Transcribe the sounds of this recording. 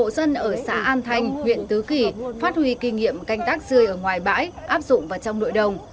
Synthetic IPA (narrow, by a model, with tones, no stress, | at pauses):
o̰˧˨sə˧nʔəː˧˩sa̰ː˧˥ʔaː˧nt̪ʰa˧jŋ̟hwḭ˧˨ənt̪ɨ˨˦ki˧˩faː˦˥t̚hwi˧ki˧ŋḭ˧˨əmka˧jŋ̟t̪aː˦˥k̚zɨ˧əjʔəː˧˩ŋwaː˨˩jɓa̰ː˧˥jʔaː˦˥p̚zʊ̰˧˨ŋ͡mvaː˨˩wt͡ɕɔ˧wŋ͡mno̰˧˨jɗə˨˩wŋ͡m